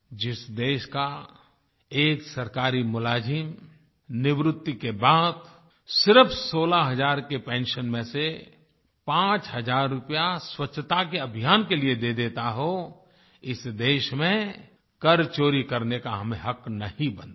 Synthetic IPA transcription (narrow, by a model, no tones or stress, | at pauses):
d͡ʒɪsd̪eːʃka | eːksɐɾkaːɾimʊlaːd͡ʒɪm | nɪʋɾʊt̪ːikebaːd̪ | sɪɾəpʰsoːlaɦɐd͡ʒaːɾkepẽːnʃənmẽse | pãːt͡ʃɦəzaːɾːʊpjaswətːʃʰt̪akeəbʱijaːnkelied̪ed̪eːt̪aɦo | ɪsd̪eːʃmẽ | kəɾt͡ʃoːɾikɐɾnekaɦɐmẽɦɐknɐĩbə̃nd̪